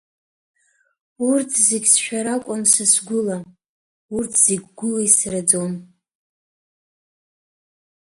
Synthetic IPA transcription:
urtʰzeɡʲsʃᶣaɾakʷʼansasɡʷʊla | urtʰz̥eɡʲɡʷʊlaisrad͡zon

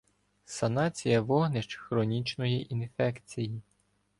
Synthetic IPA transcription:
sɐnɑt͡sʲijɐʋɔɦnɪʃt͡ʃxɾɔnʲit͡ʃnɔjiʔinfɛkt͡sʲiji

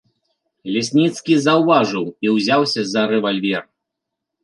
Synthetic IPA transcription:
lʲɛsʲnʲit̪skʲizɐwvaʐɨwiwzʲawsʲɐzɐɾɛvalʲvʲɛr

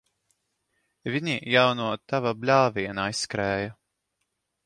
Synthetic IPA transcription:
vʲiɲijawnuɔt̪avablʲaːvʲiɛnaisːkɾɛːja

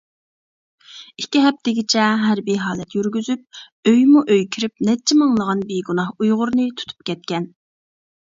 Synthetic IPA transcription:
ikʲiɦɛp̚t̪ɪɡʲit͡ʃʰɛɦæɾbijɦɑːlɛt̪jyɾɡʲyzyp̚ | øjmuʔøjkʲʰiɾɪpnɛt͡ʃʰːɛmɑŋlˠəʁɑnbeɡunɑhujʁʊɾnɨt̪ʰu̥t̪ʰu̥p̚kʲʰɛt̪̚kʲɛn

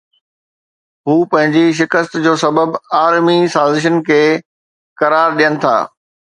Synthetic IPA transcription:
ɦuːpɐ̃ɦɪ̃ɲd͡ʑiʃ̬ɪkəst̪d͡ʑoːsɐbəbaːɾmisaːzɪʃ̬ənkʰeː | kɐɾaːɾɗijənɪ̆t̪ʰa̰ː

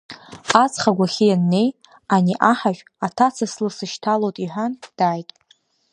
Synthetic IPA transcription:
at͡sχaɡʷaχʲijanːe̞j | aniʔaħaʒᶣ | atʰat͡sʰaslɨsɨʃtʰalotʼiħʷand̥aːjtʼ

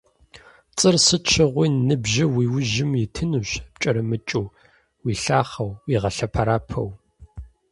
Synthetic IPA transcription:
t͡sʼɨrsɨt͡ʃʰɨʁʷiːnɨbʒɪwiːwʊʒɪmjɪtʰɨnuɕpt͡ʃʼɐɾɐmɨt͡ʃʼu | wiːɬaːχɐwiːʁɐɬɐpʰɐɾaːpʰɐ̰w

